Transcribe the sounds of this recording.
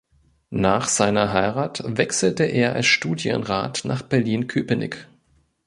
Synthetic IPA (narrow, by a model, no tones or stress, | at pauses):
naːχz̥aɪnɐɦaɪʁaːtvɛksl̩təʔeːɐʔa̰lsʃtuːdjə̰nʁa̰ːtnaːχb̥ɛɐliːnkʰyːpənɪ̰k